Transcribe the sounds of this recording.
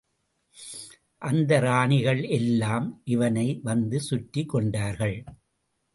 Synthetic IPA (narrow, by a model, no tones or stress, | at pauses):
ʔɐnd̪ɐɾaːɳɪɣɐɭɛlːaːmʔɪʋɐnɐɪʋɐnd̪ɯsʊʈːikːɔɳɖaːɾɣɐɭ